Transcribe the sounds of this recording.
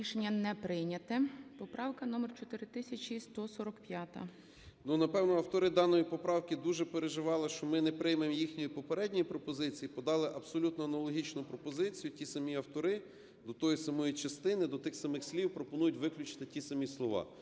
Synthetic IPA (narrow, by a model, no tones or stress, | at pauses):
iʃenʲːɐnɛpɾɪjnʲɐt̪ɪpɔpɾɑwkɐnɔmɛrt͡ʃɔt̪ɪɾɪt̪ɪsʲɐt͡ʃʲist̪ɔsɔɾɔkpʲjat̪ɐ̰ | nunɐpɛwnɔɐwt̪ɔɾɪd̪ɑnːɔjipɔpɾɑwkɪd̪uʒɛpeɾeʒɪʋɑlˠɪʃt͡ʃɔmɪnɛpɾɪjmemjixnʲijipɔpeɾɛdʲnʲijipɾɔpɔzɪt͡sʲijipɔd̪ɑlˠɪʔɐbsɔlʲut̪nɔɐnɐlˠɔɦʲit͡ʃnʊpɾɔpɔzɪt͡sʲijʊtʲisɐmʲiɐwt̪ɔɾɪ | d̪ɔt̪ɔjisɐmɔjit͡ʃɐst̪ɪnɪd̪ɔt̪ɪxsɐmɪxsʲlʲiwpɾɔpɔnujʊtʲʋɪklʲʊt͡ʃɪ̥t̪ɪtʲisɐmʲislˠɔʋɑ̰